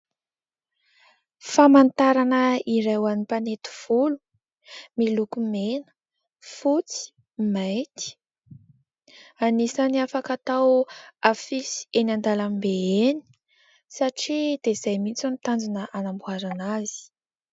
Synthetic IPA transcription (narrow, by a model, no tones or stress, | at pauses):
famant̪aɾanəiɾewanipanet̪u̥v̥ulu | milukumenə̥ | fut͡si̥ | majt̪i̥ | anisaniafakat̪awafisi̥enand̪alanibeeni̥ | saʈ͡ʂid̪eiz̥ajmit͡sunit̪and͡ʒinəʔanambuaɾanazi̥